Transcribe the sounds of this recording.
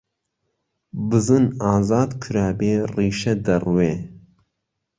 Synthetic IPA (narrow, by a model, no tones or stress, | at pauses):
bɨzɨnaːzɑːd̪kʰɨɾaːbeːriːʃɛd̪ɐrweː